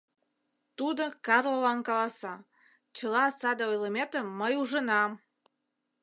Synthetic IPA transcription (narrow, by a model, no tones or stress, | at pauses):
t̪ud̪okɑrlolɑnkɑlˠɑsɑ | t͡ɕəlɑːsɑd̪əojləmet̪əmːəjuʒənɑm